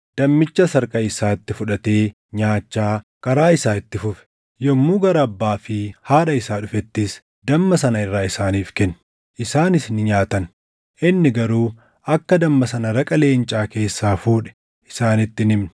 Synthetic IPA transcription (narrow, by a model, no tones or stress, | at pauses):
d̪̥ɐmːɪt͡ʃːɐsɐɾkʼɐɪsaːɪt̪ːɪfʊᶑɐt̪e̞ː | ɲaːt͡ʃːaː | kɐɾaːɪsaːɪt̪ːɪfʊfɛ̥ | jɔmːuːɡɐɾɐɐbːaːfɪhaːᶑɐɪsaːᶑʊfɛt̪ːɪs | d̪ɐmːɐsɐnɐɪrːaːɪsaːniːfkɛn | ʔɪsaːnɪsnɪɲaːt̪ɐn | ʔɪnːɪɡɐɾuː | ɐkːɐd̪ɐmːɐsɐnɐɾɐkʼɐle̞ːnt͡ʃʼaːke̞ːsːaːfuːᶑɛ̥ | ʔɪsaːnɪt̪ːɪnɪmnɛ̥